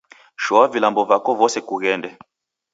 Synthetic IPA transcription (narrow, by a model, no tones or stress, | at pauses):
ʃɔwavilambɔvakɔvɔsɛkuɣɛndɛ